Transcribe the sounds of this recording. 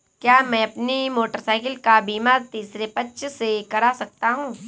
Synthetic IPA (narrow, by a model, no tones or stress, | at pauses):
kjaːmɛ̃ɐpnimoːʈəɾsaːɪkɪlkabiːmaːɾt̪iːsɾepɐtːʃsekɐɾasɐk̚t̪aɦũː